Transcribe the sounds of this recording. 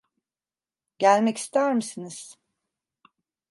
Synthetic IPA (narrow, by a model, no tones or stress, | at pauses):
ɟælʲmɛci̥st̪ʰæɾmisiniz̥